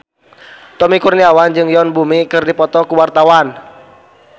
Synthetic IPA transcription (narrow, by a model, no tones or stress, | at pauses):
t̪ɔmikurniawand͡ʒɨŋjɔnbumikɨrdipɔt̪ɔkuwart̪awan